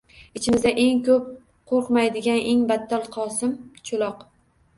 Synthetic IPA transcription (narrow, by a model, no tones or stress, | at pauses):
ɪt͡ʃʰɪmɪzd̪aʔe̞ŋkɵp̚ | qʰoɾqmajd̪ɪɡʲanʔe̞ŋbat̪ʰːalˠqʰɒsɪmt͡ʃʰʊlˠɒq